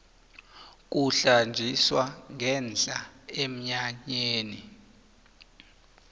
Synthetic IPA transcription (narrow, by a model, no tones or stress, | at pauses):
k̬ʼuɬand͡ʒʱiswaŋʱɛnd͡ɮʼaem̩ɲaɲeːni